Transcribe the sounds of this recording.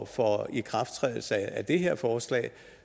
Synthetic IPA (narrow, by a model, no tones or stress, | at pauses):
fɒikʰʁɑ̈fd̥t͡sʰʁɛ̰ːðˠl̩səæd̥e̝ɦeɐ̰fɒːslɛ̰ːɪ